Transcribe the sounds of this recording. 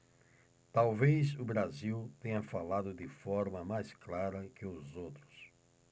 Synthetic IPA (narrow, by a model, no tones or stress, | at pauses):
t̪awvejzʊbɾaziwt̪ẽɲɐfalad̪ʊd̪ɪfɔɾmɐmajsklaɾɐkɪʊzowt̪ɾʊs